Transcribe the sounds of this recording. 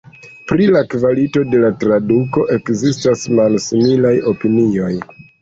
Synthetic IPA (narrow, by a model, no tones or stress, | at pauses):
pɾilakvalito̞de̞latɾaduko̞ʔe̞kzistasmalsimilajo̞pinio̞j